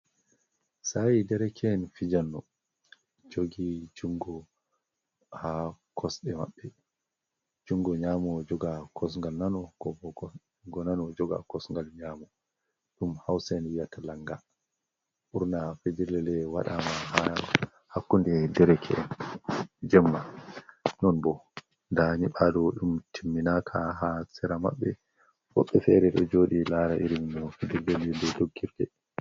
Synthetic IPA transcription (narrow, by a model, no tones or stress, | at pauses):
sajidɛɾɛkʰɛːnfid͡ʒanːɔ | d͡ʒoɡid͡ʒuŋɡɔ | hakʰɔsɗɛma̰ɓːɛ | d͡ʒuŋɡɔɲamɔd͡ʒɔɡakʰɔs̬ŋɡalnanɔɡɔ | ɡɔnanɔd͡ʒɔɡa̰kɔsŋɡalɲaːmɔ | ɗumhawsɛnwijatalaŋɡa | ʔuɾnafediɾlɛlɛwaɗamaɦa | hakːundɛdɛɾɛkʰɛʔɛn | d͡ʒɛmːa | nɔnbɔ | ndaɲiɓadɔɗumtʰimːinakʰaɦasɛɾama̰ɓːɛ | wɔ̰ɓːɛfɛɾɛɗɔd͡ʒoːɗilaɾaʔiɾimnɔfid͡ʒiɾlɛlɛndɛdoɡːiɾdɛ